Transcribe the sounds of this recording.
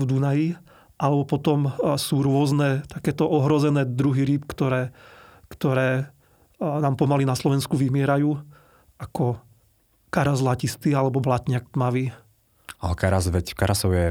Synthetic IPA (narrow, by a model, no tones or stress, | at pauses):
vd̪unaji | ʔalɛbɔpɔt̪ɔmsuːɾʊɔznɛt̪akɛːt̪ɔʔɔɦɾɔzɛnɛːd̪ɾuɦiɾiːpkt̪ɔɾɛːkt̪ɔɾɛː | naːmpɔmalinaslɔʋɛnskuʋimɪɛɾajuː | akɔ | kaɾazlacist̪ialɛbɔblat̪ɲɪak̚t̪maʋiː | aɦɔkaɾazʋɛckaɾasɔʊjɛ